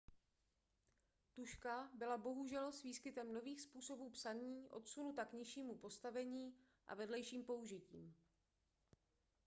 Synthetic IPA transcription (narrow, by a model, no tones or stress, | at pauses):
t̪uʃkabɪlabo̞ɦuʒɛlsviːskɪt̪ɛmno̞viːxspuːso̞buːpsaniːʔo̞̰t̪sunut̪akɲɪʃiːmupo̞st̪avɛɲiː | ʔa̰vɛdlɛjʃiːmpo̞uʒɪcḭːm